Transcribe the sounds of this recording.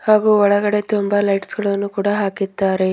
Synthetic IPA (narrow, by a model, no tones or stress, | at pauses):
haːɡuːɔɭɐɡɐɽe̞t̪umbɐlɐjʈsɡɐɭɐnːukuːɽɐɦaːkid̪ːaːɾe̞